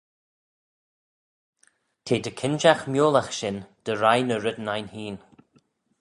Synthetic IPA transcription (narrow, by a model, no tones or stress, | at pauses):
t̪ʰeːd̪əkʰɪnʃaxmjoːlaxʃɪnd̪̥əɾajnəɾɪd̪najnhiːn